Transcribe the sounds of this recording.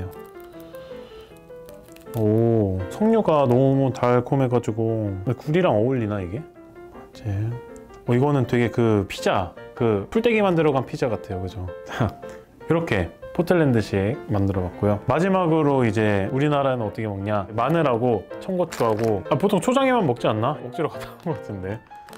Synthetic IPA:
jo | ʌsʰʌŋɲuɡanʌmutaɭkʰome̞ɡad͡ʑuɡokuɾiɾaŋʌuɭːinaiɡe̞ | ad͡ʑe | ʌiɡʌnɯntwe̞ɡe̞kɯpʰid͡ʑakɯpʰuɭt͈e̞ɡimandɯɾʌɡanpʰid͡ʑaɡatʰe̞jokɯd͡ʑot͡ɕa | iɾʌkʰe̞pʰotʰɯɭːe̞ndɯɕʰimandɯɾʌɡak̚k͈ojomad͡ʑimaɡɯɾoid͡ʑe̞uɾinaɾaenɯnʌt͈ʌkʰemʌŋɲamanɯɾaɡot͡ɕʰʌŋɡot͡ɕʰuɦaɡoapotʰoŋt͡ɕʰod͡ʑaŋemjanmʌk̚t͡ɕ͈ianːamʌk̚t͡ɕ͈iɾʌɡat͈ʰanŋɡʌk͈atʰɯnde̞

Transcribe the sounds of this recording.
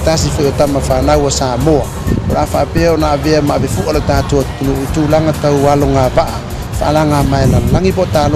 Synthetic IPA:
tas̬ifoʔjotamafanawasaːmoa | oɾaːfaʔapeaonaʔaveamaavefuʔalatatuanuituːlaŋatawaloŋavaʔa | faʔalaŋamaelalaŋibotalo

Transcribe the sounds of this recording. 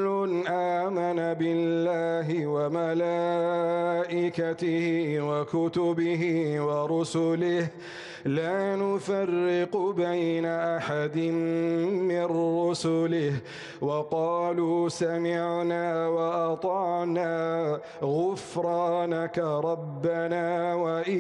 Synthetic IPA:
ʊnʔaːmanabɪlːaːɦɪwamalaː | ʔɪkat̪ɪhɪwakʊt̪ʊbɪɦɪwɑɾˤʊsʊlɪh | laːnʊfarːɪqbajnaʔaħad̪ɪnmɪnɾʊsʊlɪh | wɑqɑːluːsamɪʕnaːwɑʔɑt̪ˤɑːʕnaː | ɣʊfɾˤɑːnakaɾˤɑbːanaːwaʔ

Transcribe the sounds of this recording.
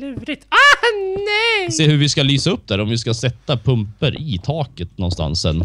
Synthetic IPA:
liːvɾɪt̪anɛseːhɵɾvɪskalyːsaɵp̚ːd̪æɾɔmvɪskasɛt̪ːapʰɵmpəɾʔɪt̪ʰɑːkət̪nɔnst̪a̰nsːɛ̰nː

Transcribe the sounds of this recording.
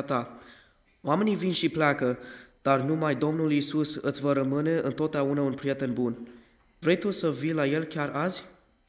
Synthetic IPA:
t̪a | oame̞nivinʃiplakəd̪̥arnumajd̪o̞mnulisusɨt̪sʲvəɾəmɨne̞ʔɨnt̪o̞t̪̚d̪eaunəunpɾije̞t̪e̞nbun | vɾe̞jt̪usəvijlaje̞lkʲarazʲ

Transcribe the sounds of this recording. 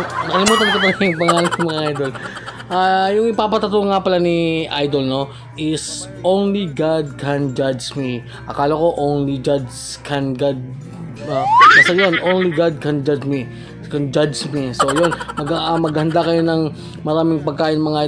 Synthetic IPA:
nɐkɐlɪmuːt̪ɐnkop̪ɐlɐjʊŋpɐŋɐaːlɐɪmɐŋaʔajd̪o̞l | ʔaːjʊŋɪpaːpɐt̪ɐt̪uŋːapɐlaniʔajd̪olno̞ | ʔɪs | ʔõwnliɡad̪̚kʰɛnd͡ʒad͡ʒmi | ʔɐkaːloko̞ʔownlid͡ʒad͡ʒ | kʰɛnɡad̪̚ | amɐsajonʔownliɡad̪̚kɐnd͡ʒad͡ʒmi | kɐnd͡ʒad͡ʒmisojonmɐɡamɐɡhɐnd̪akɐjo̞nɐŋ | mɐɾaːmɪŋpɐɡ̚kːaːʔɪnɐmɐŋaʔa

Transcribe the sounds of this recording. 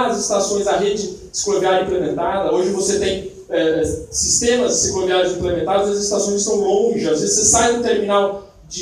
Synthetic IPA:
ɐzɪst̪asõj̃zɐɦed͡ʒd͡ʒɪ | ɪsklovaɾĩplemẽnt̪ad̪ɐoʒɪvoset̪ẽj̃ | ɛɛsist̪ẽmɐzɪsĩɡoliaɾʊzĩplemẽnt̪aɾʊziɐzɪst̪asõj̃zɪst̪ɐ̃w̃lõʒɪazvezsesajd̪ʊt̪eɾminaw | d͡ʒɪ

